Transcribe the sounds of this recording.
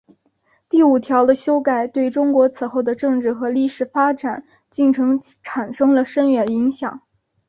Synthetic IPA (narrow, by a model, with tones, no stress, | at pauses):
t̪i˥˩u˨˩t̪ʰjɑ˧˥ʊd̪ə˧ɕjo˥ʊka˥˩ɪt̪we˥˩ɪʈ͡ʂʊ˥ŋkwɔ˧˥t͡sʰɹ̩˨˩xo˥˩ʊd̪ə˩ʈ͡ʂɤ˥˧ŋʈ͡ʂɻ̩˥˩xɤ˧˥li˥˩ʂɻ̩˨˩fa˥ʈ͡ʂa˨˩˦n | t͡ɕi˥˩ŋʈ͡ʂʰɤ˧˥ŋʈ͡ʂʰa˨˩nʂɤ˥ŋlə˨ʂə˥nɥɛ˧˥ni˧˥ŋɕjɑ˨˩˦ŋ